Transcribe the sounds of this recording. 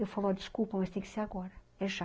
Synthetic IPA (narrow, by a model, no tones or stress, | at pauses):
ewfalˠad̪ɨʃkulˠpɐmɐʃt̪ẽj̃kseɾɐɣɔɾɐ | ɛʒa